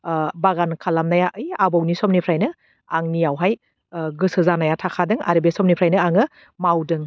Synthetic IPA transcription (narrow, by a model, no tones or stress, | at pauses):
baɡankʰalamnajaʔɯjabɔwnisɔmnipʰɾajnɯ | aŋnijawɦaj | ɡɯsɯzanajatʰakʰadɯŋa̰ɾibesɔmnipʰɾajnɯaŋɯ | mawdɯŋ